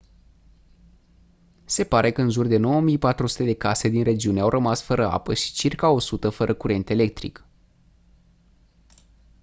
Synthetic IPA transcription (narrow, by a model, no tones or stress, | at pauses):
se̞paɾe̞kəɨnʒurd̪e̞no̞womijpat̪ɾusu̥t̪e̞d̪e̞kase̞d̪inre̞d͡ʒiuneawrʔəmasfəɾəa̰pəʃi̥t͡ʃirkao̞sut̪əfəɾʔəkuɾʔe̞nt̪e̞le̞k̚t̪ɾḭk